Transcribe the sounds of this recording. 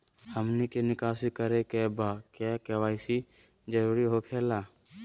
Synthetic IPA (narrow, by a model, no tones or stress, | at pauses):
həmnikenɪkaːsikəɾekebakjakɛwaːsi | d͡ʒəɾuːɾiɦokʰeːlaː